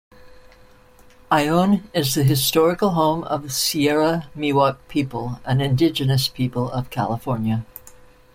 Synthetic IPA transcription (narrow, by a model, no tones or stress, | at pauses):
aɪõʊ̃nɪzðɨɦɨstɔɹɨkl̩ˠɦõʊ̃mʌ̰v̥siɛɹəmiwɑk̚pʰipəl̩ˠɨ̃nɨ̃ndɪd͡ʒɨnɨspʰipl̩ˠʌv̥kʰæ̰lˠəfɔɹnjɨ